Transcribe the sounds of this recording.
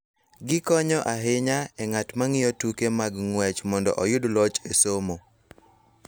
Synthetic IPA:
ɡɪkɔɲɔʔaɦɪɲaɛŋatmaŋɪjotukemaɡŋwɛt͡ʃmɔndɔ̰ʔɔjʊdlɔt͡ʃesomo

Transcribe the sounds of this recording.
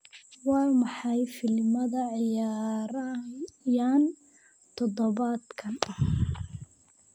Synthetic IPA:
wɑːmɑħɑjfɪlmɐðɐʕɪjaːɾɐjaːn | t̪ʰɔdɔβad̪kʰɐnɐh

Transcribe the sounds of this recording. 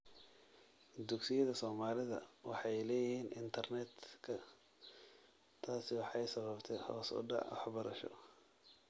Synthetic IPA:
d̪ʊɡsɪjɐðɐsɔːmaːlɪðɐwɑ̰ħɑjlɛːjɪhiːnʔɪnt̪ʰɐrnɛd̪kʰɐ | t̪ʰaːsɪwɑħɑjsɐβɐbt̪ʰɛjhɔ̰ːsʊ̰ɖɑ̰ʕwɑħbɐɾɐʃɔ̰

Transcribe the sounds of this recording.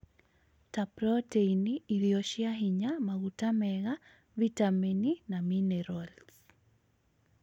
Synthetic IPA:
tapɾɔteiniːðjɔʃiaɦiɲamaɣutamɛɣa | vitamininaminɛɾals

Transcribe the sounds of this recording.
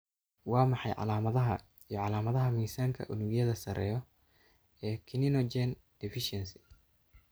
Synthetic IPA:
wɑːmɑħɑjʕɑ̰laːmɐðɐɦɐ | ijɔʕɑlaːmɐðɐɦɐmiːsaːŋkʰɐ̰ʔʊnʊɣjɐðɐsɐɾʔɛ̰ːjɔ | ɛːkʰɪnɪnɔt͡ʃɛn | d̪̥ɪfɪʃɛnsɪ̥

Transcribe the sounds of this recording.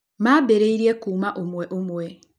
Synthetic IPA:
maːbeɾeiɾiekuːmaʔomweʔumwe

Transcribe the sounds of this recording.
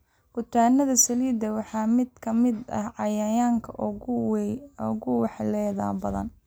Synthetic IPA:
hʊt̪ʰaːnɐðɐsɐliːd̪ɐwɑħɑːmɪd̪kʰɐmɪd̪ɐ̰hʕɑjajaːŋkʰɐʔ | ɔɣʊwɑħlɛːða̰ːbɐðɐ̰n

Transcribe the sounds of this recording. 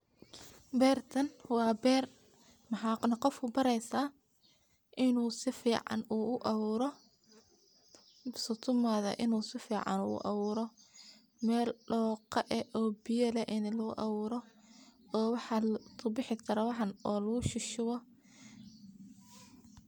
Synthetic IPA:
bɛːrt̪ʰɐnwɑːbɛːr | mɑħɑːnɐqɔfkʰʊbɐɾɛjsaː | ʔɪnuːsɪfiːʕɑ̰nuːʊʔɑβuːɾɔ | sʊt̪ʰʊmaːðɐ̰ʔɪnuːsɪfiːʕɑ̰nṵːʊ̰ʔɑ̰βuːɾɔ | mɛːlɖɔːqɐʔɛɔːbɪjɐlɛʔɪnlɐɣʊ̰ʔɑβuːɾɔ | ɔːwɑħɑlt̪ʰʊbɪħɪt̪ʰɐɾɐwɑħɑnɔːlɐɣʊʃɪʃʊβɔ

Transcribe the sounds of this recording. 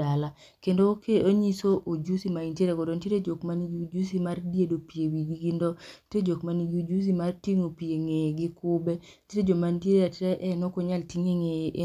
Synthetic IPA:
ala | kendokeoɲisoʔod͡ʒusimaintjeɾekodontjeɾed͡ʒokmaniɡd͡ʒus̬imardedopiewiɡiɡindɔted͡ʒokmaniɡud͡ʒus̬imartiŋopieŋeɡɪkʊbɛ | tjeɾed͡ʒomanteɾeateɾeʔɛnokoɲaltiŋeŋeʔe

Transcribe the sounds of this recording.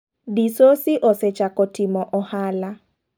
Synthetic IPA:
disosɪʔɔset͡ʃakɔtɪmɔʔɔhala

